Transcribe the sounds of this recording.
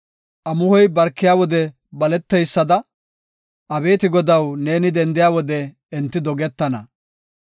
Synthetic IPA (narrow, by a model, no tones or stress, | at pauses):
ʔɐmʊhɔjbɐɾkːɪjaːwɔd̪ɛ | bɐlɛt̪ːɛjsːɐd̪ɐ | ʔɐbe̞ːt̪ɪɡɔd̪ɐwne̞ːnɪd̪ɛnd̪ɪjaːwɔd̪ɛː | nt̪ːɪd̪ɔɡɛt̪ːɐnɐ